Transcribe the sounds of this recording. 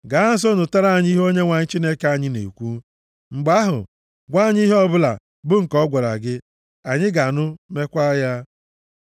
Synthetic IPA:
ɡa˨˦ɦa˦s̬o˦nʊ˨ta˦ɾa˦˨ɲ˦i˦ɦo˦ɲe˦ŋʷa˨ɲɪ˦t͡ʃi˦ne˦ke˦a˦ɲɪ˦nḛ˨kʷu˦ | ŋ͡m̩˨ɡ͡ba˦ɦʊ̰˨ | ɡʷa˦˨ɲ˦i˦ɦɔ˦bʊ˦la̰˨ | bʊ˦ŋ̩˨kɔ˦ɡʷa˨ɾa̰˨ɡɪ˦ | a˨ɲɪ˦ɡa˨nʊ˦me˦kʷa˦ja˦

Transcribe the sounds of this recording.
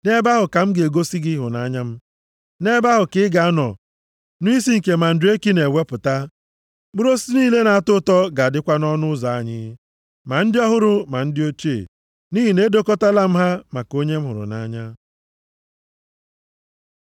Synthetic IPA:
ne˦ba˦ɦʊ˨ka˨m̩˦ɡe˨ɡo˦si˦ɡɪ˦ɦʊ˨na˦ɲa˦m̩˦ | ne˦ba˦ɦʊ˨kɪ˦ɡa˨a˦nɔ̰˨ | nʊ˦i˦si˦ŋ̩˨ke˨ma˨n̩˨dʊ˨˦e˦ki˦ne˨we˦pʊ˨ta˦ | ɡ͡bʊ˦ɾo˦si˦niː˦le˦na˨a˨tʊ˦tɔ˦ɡa˨a˨dɪ˦kʷa˦nɔ˦nʊ˦zɔ˨a˦ɲɪ̰˦ | ma˨n̩˦dɪ˦ɔ˦ɦʊ˦ɾʊ˨ma˨n̩˦dɪ˦o˦t͡ʃe˦˨ | ni˦ɦi˨ne˦do˦ko˦ta˦la˦m̩˦ɦa˦ma˨ko˦ɲe˦m̩˦ɦʊ˨ɾʊ̰˨na̰˦ɲa˦

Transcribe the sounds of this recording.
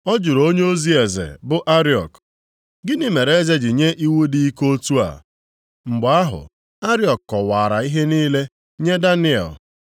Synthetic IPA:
ɔ˦d͡ʒu˨ɾo˦ɲe˦o˦zi˦e˨zḛ˨bʊ˦ʔa˦ɾi˦ɔ̰˨k | ɡɪ˦ni˦me˨ɾe˨˦ze˦d͡ʒɪ˨ɲe˦ʔi˦wu˦di˦i˦ko˦tu˦a̰˨ | ŋ͡m̩˨ɡ͡ba˦ɦʊ̰˨ | a˦ɾɪ˦ɔ˨kkɔ˨wa˨ɾa˨i˦ɦe˦niː˦le˦ | ɲe˦da˦nɪ˦ɛ̰˨l

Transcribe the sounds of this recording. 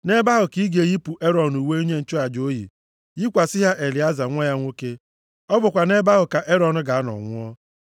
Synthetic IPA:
ne˦ba˦ɦʊ˨ki˦ɡe˨ɣi˦pu˨ʔe˦ɾɔ˨n˨u˨we˦i˦ɲe˦n̩˨t͡ʃɔ˦a˨d͡ʒo˦ɦjḭ˨ | ji˦kʷa˨sɪ˦ɦa˦ʔe˨li˨a˦za˨ŋʷa˦ja˦ŋʷo˦ke˦ | ɔ˦bʊ˨kʷa˨ne˦ba˦ɦʊ˨ka˨ʔe˦ɾɔ˨n̩˨ɡa˨a˦nɔ̰˨ŋʷʊ˦ɔ˦

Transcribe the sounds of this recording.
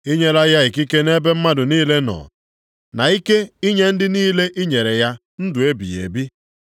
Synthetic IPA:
i˦ɲe˦ɾa˦ja˦i˨ki˦ke˦ne˦be˦m̩˦ma˦dʊ˨niː˦le˦nɔ̰˨ | na˨i˦ke˦i˦ɲe˦n̩˦dɪ˦niː˦le˦ʔi˦ɲe˨ɾe˨ja˦ | n̩˦dʊ˨e˦bḭ˨jḛ˨bi˦

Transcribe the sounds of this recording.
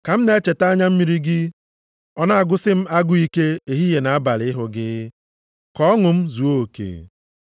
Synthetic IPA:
ka˨m̩˦ne˨˦e˦t͡ʃe˨ta˦a˦ɲa˦m̩˦mi˨ɾi˦ɡɪ˦ | ɔ˦na˦a˨ɡʊ˦sɪ˦m̩˦a˦ɡʊ˦i˦ke˦e˨ɦi˦je˨na˨a˦ba˨lɪ˦ɦʊ˨ɡɪ˦ | kɔ˦ɔ˦ŋʊ˨m̩˦zu˨o˦o˨kḛː˨

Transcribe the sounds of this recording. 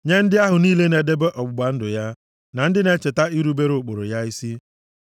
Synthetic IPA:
ɲe˦n̩˦dɪ˦a˦ɦʊ˨niː˦le˦ne˨de˦be˦ʔɔ˨ɡ͡bʊ˨ɡ͡ba˨n̩˦dʊ˨ja˦ | na˨n̩˦dɪ˦ne˨t͡ʃe˨ta˦i˦ɾu˦be˦ɾʊ˨k͡po˨ɾʊ̰˨ja˦i˦si˦

